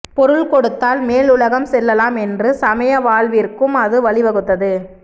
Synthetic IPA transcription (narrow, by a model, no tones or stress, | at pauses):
pɔɾɯɭkɔɽɯt̪ːaːlmeːlʊlɐɣɐmsɛlːɐlaːmɛndrɯsɐmɐjɐʋaːɭʋiɾkɯmɐðɯʋɐɭɪʋɐɣɯt̪ːɐðɯ